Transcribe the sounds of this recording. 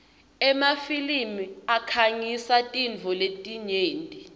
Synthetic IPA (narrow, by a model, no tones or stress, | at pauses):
ɛmafilimiakʰaŋisatʼind͡vʱɔletʼiɲeːntʼi